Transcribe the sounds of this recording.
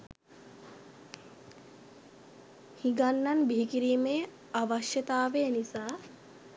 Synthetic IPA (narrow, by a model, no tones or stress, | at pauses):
hiɡanːanbiɦikiɾiːmej | aʋaʃjət̪aːʋejnisaː